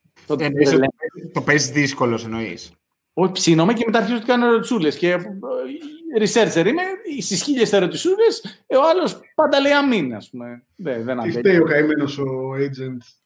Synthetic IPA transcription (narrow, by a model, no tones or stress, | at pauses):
t̪ot̪eoslet̪o̞pezðisko̞loseno̞ḭs | oçi̥psino̞mɐcemet̪ɐɾçizot̪ikɐneɾot̪i̥sulesce̞ | ɾiseɾt͡seɾimeisisçiʎest̪eɾot̪isuleseoɐlo̞spɐnd̪ɐle̞iɐminɐ̰spume̞ | ðeðenɐniset̪eiokɐimenosoejd͡ʒent̪s